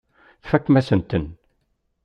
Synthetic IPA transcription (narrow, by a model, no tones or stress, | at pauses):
θfækːmæsənt̪ən